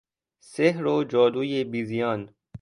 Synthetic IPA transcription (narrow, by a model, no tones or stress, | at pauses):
seɦɾoːd͡ʒɔːd̪uːjebiːzijɔːn